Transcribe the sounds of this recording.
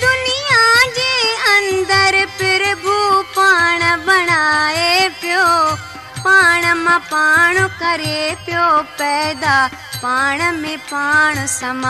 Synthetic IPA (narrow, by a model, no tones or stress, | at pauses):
d̪ʊnijad͡ʑeːɐ̃nd̪əɾpɪɾbupaːɽ̃bɐɽ̃aːepɪjo | paːɽ̃mãpaːɳ̃kɐɾepjoːpɛːd̪a | paːɽ̃mẽpaːɽ̃əsɐma